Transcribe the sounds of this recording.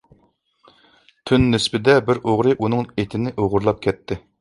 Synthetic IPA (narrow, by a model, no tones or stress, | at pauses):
t̪ʰynːɪspɪd̪ɛbɪɾʔoʁɾɨʔunɨŋet̪ʰɪnɪʔoʁʊɾlˠɑp̚kʲʰɛt̪ːɪ